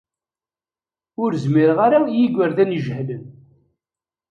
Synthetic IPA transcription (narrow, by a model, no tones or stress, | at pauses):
ʊɾzmiɾʁaɾajiɡʷəɾðænʒhlən